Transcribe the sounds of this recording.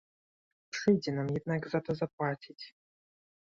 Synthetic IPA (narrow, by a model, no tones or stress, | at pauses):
ʂɨdʲɪnamjɛd̪̚naɡzat̪əzaplˠatʲitʲ